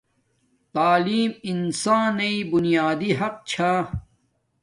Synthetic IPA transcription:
t̪aːliːminsãːnːɐibunijaːd̪iɦɐq̚t͡ɕʰaː

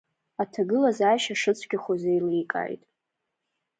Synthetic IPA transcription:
atʰaɡɨlazaːʃaʂɨt͡sʷʼʰɡʲaχʷozejlikʼa̰jtʼ

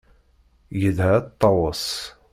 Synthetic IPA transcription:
jəðhæt̪ˤːɑwəs

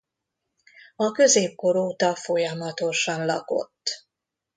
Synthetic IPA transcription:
ɒkø̞zeːp̚ko̞ɾoːt̪ɒfo̞jɒmɒt̪o̞ʃɒnlɒ̰ko̞̰t̪ː

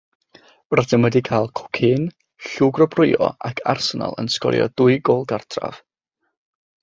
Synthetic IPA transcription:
radənwədikʰajlˠkʰʊ̥kʰɪn | ɬuːɡrɔbrʊjɔ̰akʰarsəna̰lˠə̰nskɔ̰ɾjɔ̰dʊɨɡoːlˠɡartʰra̰v̥

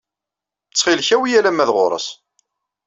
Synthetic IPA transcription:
t͡sːχɪlçæwijælæmːæðʁoɾˤə̰s

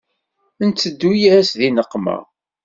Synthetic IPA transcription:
ənt͡sːəd̪ːujææsðinəqːmæ̰

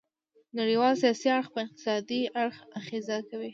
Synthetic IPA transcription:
naɽiwɑlsijɑsiaɽxpəɪq̚t̪ɪ̥sɑd̪iaɽxaxezakawi

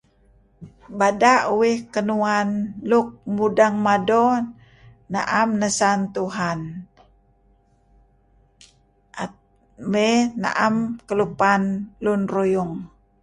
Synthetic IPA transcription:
badaʔuwɪhkənuanluk̚mudaŋmado | na̰ʔamnəsant̪uɦan | a | mena̰ʔamkəlupanlunrujuŋ

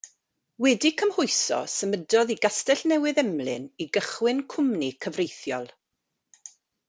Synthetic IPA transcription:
wɛdikʰəmhʊjsɔ̰səmədɔðiɡastɛɬnɛwɨðɛmlˠɨ̰niɡəχwɨnkʰʊmnikʰəvrejθjɔ̰lˠ

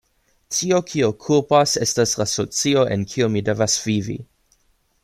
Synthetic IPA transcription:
tio̞kʰiokʰupasestaslasot͡sio̞ʔenkʰiomidevasv̥ivḭ

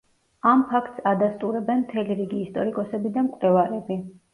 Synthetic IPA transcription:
ampʰakʰt̪ʼsad̪ast̪ʼuɾɛbɛnmt̪ʰɛliɾiɡiːst̪ʼɔɾikʼɔsɛbid̪amkʼwlɛvaɾɛbi

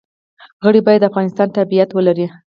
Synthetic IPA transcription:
ɣəɽibɑjad̪ːafɣɑnɪst̪ɑnt̪abijat̪wəlaɾi

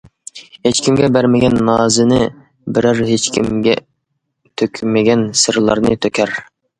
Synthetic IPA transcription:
het͡ʃkʲʰimɡʲɛbæɾmɪɡʲɛnːɑːzɨnɪ | bɪɾæɾɦet͡ʃkʲʰḭmɡʲɛ̰ | t̪ʰøkʲʰmɪɡʲɛnsɨɾlˠɑɾnɨt̪ʰøkʲʰæɾ

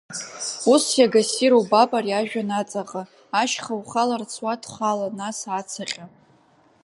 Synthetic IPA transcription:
usjaɡasiɾowbapʼarjaʒᶣanat͡sʼaqʼa | aʃχawχalart͡sʰwatʰχʷalanasat͡sʰaχʲʼa

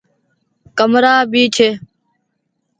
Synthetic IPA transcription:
kəmɾaːbiːt͡ʃʰeː

